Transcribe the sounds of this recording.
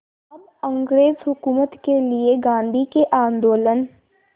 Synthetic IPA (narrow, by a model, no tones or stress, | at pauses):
ɐb | ɐ̃ŋɡɾeːzɦʊkuːmət̪kelieɡãːnd̪ʱikeʔãːnd̪oːlən